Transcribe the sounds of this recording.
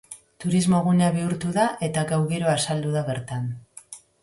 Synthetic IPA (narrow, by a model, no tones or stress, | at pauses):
t̪uɾizmo̞ɣunaβiuɾt̪uðaʔe̞t̪aɡawɣeɾo̞asald̪uðaβe̞ɾt̪an